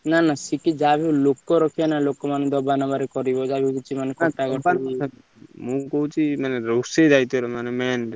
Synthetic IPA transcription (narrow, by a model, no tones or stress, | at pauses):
nanasikid͡ʒabʱilokːɔɾɔkʰijanalokːɔmaned̪ɔbanabaɾekɔɾibɔd͡ʒabikit͡ʃʰimanekʰɔ̃ʈakɔɾa | mũkɔut͡ʃʰimaneɾɔsed͡ʒajt̪ɔɾɔmanemɛnɾ